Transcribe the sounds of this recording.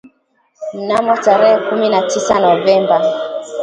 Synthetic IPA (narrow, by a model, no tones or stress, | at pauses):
m̩namɔtaɾɛhɛkuminatisanɔvɛmba